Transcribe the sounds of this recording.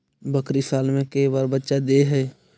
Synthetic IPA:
bəkɾisaːlmẽkəibaːɾbətːʃad̪eɦɛː

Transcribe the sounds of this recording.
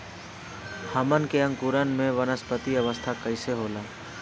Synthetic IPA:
həmənkeə̃ŋkuɾənmẽʋənəspət̪iəʋəst̪ʰakəɪseɦoːlaː

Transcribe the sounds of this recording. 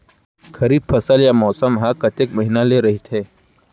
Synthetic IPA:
kʰɐɾiːbfʰɐsəljamɔːsəmɦakɐt̪ekmɐɦinaleɾɐɦit̪ʰeː

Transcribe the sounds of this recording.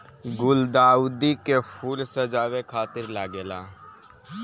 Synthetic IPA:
ɡʊld̪aːud̪ikepʰuːlsəd͡ʒaːʋekʰaːt̪ɪɾlaːɡeːlaː

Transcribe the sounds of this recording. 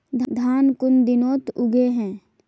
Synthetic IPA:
d̪ʱd̪ʱaːnkʊnd̪ɪnoːt̪ʊɡeɦɛ̃ː

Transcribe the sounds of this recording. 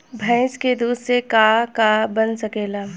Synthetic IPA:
bʱɛ̃ɪsked̪uːd̪sekakabɐnsɐkeːlaː

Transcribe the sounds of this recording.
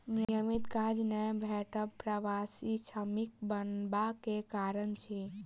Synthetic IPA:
njəmit̪kad͡ʒnɛbʱeʈəbpɾəʋasit͡ʃʰəmik̚bənbakekaɾənt͡ʃʰi

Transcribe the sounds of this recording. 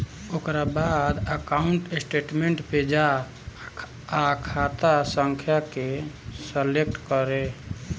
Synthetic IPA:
okɾabad̪əkauɳʈesʈeʈmeɳʈped͡ʒa | kʰat̪asəŋkʰjake | səlekʈkəɾe

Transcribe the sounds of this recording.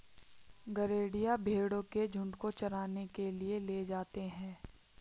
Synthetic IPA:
ɡɐɾeːɽijabʱeːɽõked͡ʒʱʊ̃ɳɖkot͡ʃɐɾaːnekelieled͡ʒaːt̪eɦɛ̃ː

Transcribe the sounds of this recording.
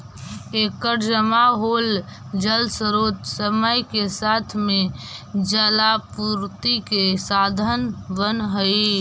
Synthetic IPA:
ekəɾd͡ʒəmaɦold͡ʒəlsəɾoːt̪səməjkesat̪ʰmẽd͡ʒəlapuɾt̪ikesad̪ʱənbənɦəi

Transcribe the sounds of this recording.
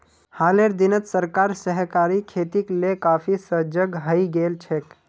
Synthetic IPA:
haːleɾd̪ɪnət̪səɾkaːɾsəɦkaːɾikʰeːt̪iklekaːpʰisəd͡ʒəɡɦəiɡeːlt͡ʃʰek

